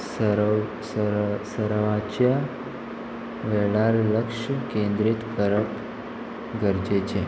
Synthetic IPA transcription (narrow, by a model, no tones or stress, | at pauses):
s | ssəɾʋat͡ɕja | ʋɛɭaɾləkʂkẽnd̪ɾit̪kəɾəp | ɡəɾd͡ʑet͡ɕe